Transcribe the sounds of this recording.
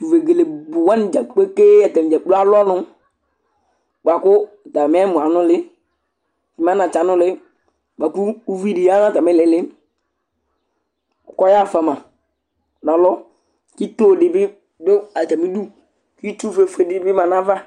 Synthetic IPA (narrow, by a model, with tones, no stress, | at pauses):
tu˨ve˨ɡe˨le˨bu˨wa˦n˨d͡ʒa˨k͡pe˦ke˦ɛ˨tɛ˨m˨d͡ʒa˨˦u˦a˦lɔ˦nʊ˦ | ɡ͡ba˨kʊ˦˨ | ta˨mɛ˦mu˨a˨nʊ˦lɪ˦ | ki˨m˦a˦na˨t͡ʃa˨nʊ˦lɪ˦ | ɡ͡ba˨puː˦vi˦di˨ja˦na˦˨ta˨mɛ˦lɪ˨lɪ˦ | u˨kɔ˦ja˦˨fa˨ma˨ | na˨lɔ˦ | ki˦toː˦˨di˨bi˦ | do˦a˨t͡ʃa˨mi˦du˦ | ki˦tu˦˨fe˨fe˨di˨˦bi˦ma˨na˦va˦